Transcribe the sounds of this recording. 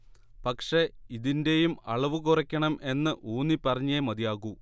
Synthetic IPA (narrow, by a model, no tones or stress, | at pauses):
pɐkʂe̞iðinde̞jumɐɭɐʋukurɐkʲːɐɳɐme̞nːɨʔuːnːipːɐrɐɲːemɐðijaːɣu